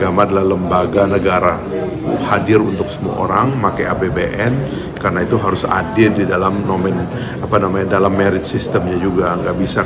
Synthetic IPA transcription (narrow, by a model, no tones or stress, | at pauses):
ɡamadalahləmbaɡanəɡaɾa | hadɪɾunt̪ʊksəmua̰ʔo̰ɾaŋmakajabebeʔɛn | karənait̪uɦaɾʊsa̰dɪrdidalamnomɛn | apanamaɲadalamːeɾɪt̪̚sist̪əmɲad͡ʒuɡaŋɡaʔbisa